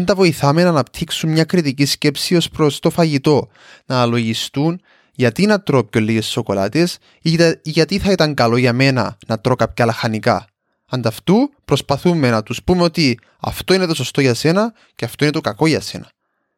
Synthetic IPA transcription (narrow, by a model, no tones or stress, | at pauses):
int̪ɐvo̞iθɐmenɐnɐpt̪ʰiksummɲɐkɾit̪icisce̞psio̞spɾo̞st̪o̞fɐʝit̪o̞ | nɐlo̞ʝist̪un | ʝɐt̪inɐt̪ɾo̞pçolːiʝe̞sːo̞ko̞lɐ̰t̪es | ʝɐt̪iθɐit̪ɐŋkɐlo̞ʝɐme̞nɐ̰nɐt̪ɾo̞kɐp̚cɐlɐxɐnikɐ̰ | ɐnd̪ɐft̪upɾo̞spɐθumːe̞nɐt̪uspumeo̞t̪i | ɐ̰ft̪o̞inet̪o̞sost̪o̞ʝɐse̞nɐ | ceɐft̪o̞ine̞t̪okɐko̞ʝɐse̞̰nɐ